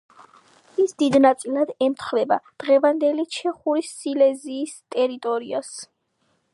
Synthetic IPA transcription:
isd̪id̪nat̪sʼilˠad̪ɛmt̪ʰχvɛbad̪̥ʁɛvand̪ɛlit͡ʃʰɛχuɾisilɛziːst̪ʼɛɾit̪ʼɔɾias

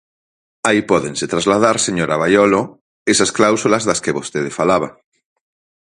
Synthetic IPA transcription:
aipɔðẽŋset̪ɾazlað̞aɾseɲoɾaβ̞ajɔlo | esasklawsulɐzðaskeβost̪eðefalaβ̞a

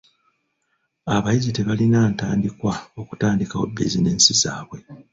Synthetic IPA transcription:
aβajizite̞βalinaːntaːndikwao̞ku̥taːndikaobḭzineːnsiza̰ːβwe̞

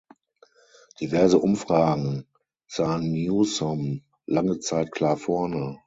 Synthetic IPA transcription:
d̥ivɛɐzəʔʊmfʁ̥aːɡŋ̩ | z̥aːənːjusɔm | laŋət͡saɪt̚kʰl̥aːɐfɔɐnə

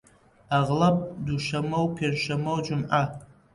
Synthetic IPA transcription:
aʁlapʼduʃʷamowpʰarʃʷamowd͡ʒʷʊmʔa

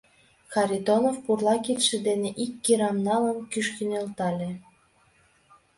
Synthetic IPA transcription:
xɑɾʲid̪onofpurlɑkit̪ʃĕd̪eneʔikːiɾɑmnɑləmkyʃkinelt̪ɑlʲe

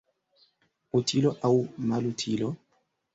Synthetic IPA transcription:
utʰiloʔawmalutʰilo

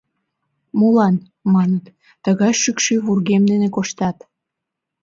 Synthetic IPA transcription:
mulɑn | mɑnət̪ː | əɣɑjʃykʃyβurɣemd̪enekoʃt̪ɑt̪

